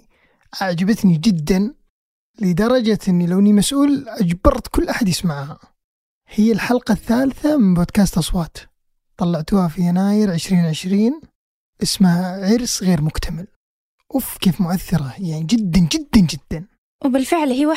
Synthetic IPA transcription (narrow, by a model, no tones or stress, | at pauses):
ʔaʕd͡ʒabat̪nid͡ʒɪd̪ːan | lɪd̪ɑɾˤɑd͡ʒaʔɪnːilawnimasʔuːlʔad͡ʒbɑɾˤt̪kʊlːʔaħad̪jɪsmaʕha | hɪjːalħalqɑθːaːlθamɪnbod̪kaːst̪ʔɑsˤwɑːt̪ | t̪ˤɑlːɑʕt̪uːhafijanaːjɪɾʕɪʃɾiːnʕɪʃɾiːn | ʔɪsmaʕɪɾsɣeːɾmʊkt̪ʰamɪl | ʔʊfkeːfmʊʔaθːɪɾˤɑjaʕnid͡ʒɪd̪ːand͡ʒɪd̪ːand͡ʒɪd̪̥ːan | wbɪlfɪʕlhia